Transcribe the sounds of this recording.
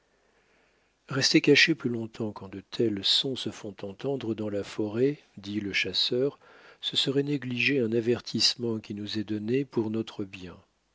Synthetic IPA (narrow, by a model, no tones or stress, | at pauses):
ʁɛst̪ekaʃeplylɔ̃t̪ʰɑ̃kɑ̃d̪ət̪ʰɛlsɔ̃səfɔ̃t̪ɑ̃t̪ɑ̃d̪ʁəd̪ɑ̃lafɔʁɛ | d̪iləʃasœʁ | səsəʁɛneɡliʒeɛ̃navɛʁt̪ʰismɑ̃kʲinuzɛd̪ɔnepuʁnɔt̪χəbjɛ̃